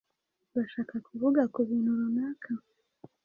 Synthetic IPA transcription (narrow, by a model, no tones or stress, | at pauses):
βaʃakakʰuvuɡakuβunuɾunakʰa